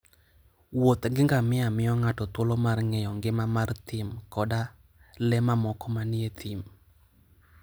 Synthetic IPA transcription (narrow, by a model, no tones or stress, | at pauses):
wot̪ŋɡɪŋɡamɪamɪɔŋatɔt̪wolɔmarŋɛjɔŋɡɪmamart̪ɪmkɔda | lɛmamɔkɔmanɪet̪ʰɪm